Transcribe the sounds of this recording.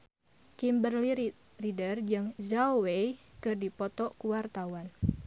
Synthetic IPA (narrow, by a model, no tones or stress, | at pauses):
kimbərli | ridərd͡ʒɨŋzawejkɨrdipɔt̪ɔkuwart̪awan